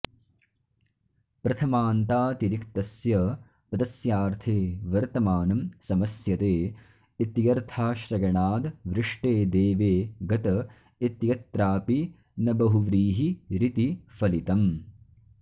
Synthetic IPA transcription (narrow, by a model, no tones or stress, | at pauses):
pɾɐt̪ʰɐmaːnt̪aːt̪iɾikt̪ɐsjɐ | pɐd̪ɐsjaːɾt̪ʰeːʋɐɾt̪ɐmaːnɐmsɐmɐsjɐt̪eː | it̪jɐɾt̪ʰaːʃɾɐɡɐɳaːd̪ʋɾɪʂʈeːd̪eːʋeːɡɐt̪ɐ | it̪jɐt̪ɾaːpi | nɐbɐɦuʋɾiːɦiɾit̪ifɐlit̪ɐm